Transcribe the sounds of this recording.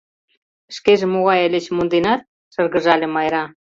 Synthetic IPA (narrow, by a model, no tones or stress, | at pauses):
ʃkeʒĕmoɣɑjəlʲĕt͡ɕmond̪enɑt̪̚ | ʃɤ̆rɣə̆ʒɑlʲĕmɑjɾɑ